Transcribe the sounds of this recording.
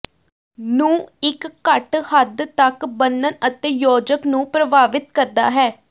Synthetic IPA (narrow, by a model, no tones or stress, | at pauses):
nũːɪkːəʈhəd̪t̪əkbənːənət̪eːjoːd͡ʒəknũːpɾəbaːʋɪt̪kəɾd̪a̰ːɦɛː